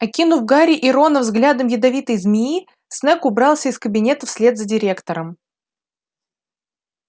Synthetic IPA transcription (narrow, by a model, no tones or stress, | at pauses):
ɐkʲinʊvɡaɾʲɪʔɪɾo̞nəvzɡlʲad̪əmjɪd̪ɐvʲit̪əjzmʲɪi | snɛkʊbɾɑlˠsʲəɪskəbʲɪnʲe̞t̪əfsʲlʲe̞d̪zədʲɪɾʲe̞kt̪əɾəm